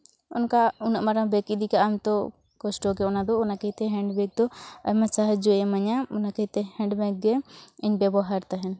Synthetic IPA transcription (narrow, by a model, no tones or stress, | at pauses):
ɔ̰nkaunaʔmaɾabɛkid̪ikaʔamt̪ɔ | kɔsʈɔkɛɔnad̪ɔɔnakɛjt̪ɛɦɛɳɖbɛɡ̚d̪ɔajmasaɦad͡ʒɔɛmaɲaɔnakɛit̪ɛhɛ̃ɳɖbɛɡ̚ɡɛiɲbɛbɔɦaɾt̪aɦɛn